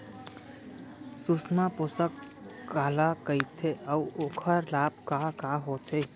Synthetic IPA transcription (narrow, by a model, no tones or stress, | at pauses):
susmãposəkː | aːlakəit̪ʰeəuoːkʰəɾlaːb̚kakaɦoːt̪ʰe